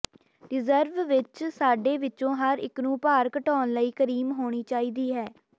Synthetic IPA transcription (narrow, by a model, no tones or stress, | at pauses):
ɾɪzəɾʋʋɪt͡ʃsaːɖeːʋɪt͡ʃõːɦəɾɪ̰knũːpaːɾkəʈɔːnləiːkəɾiːmɦoːɽ̃iːt͡ʃaːiːd̪iːɦɛː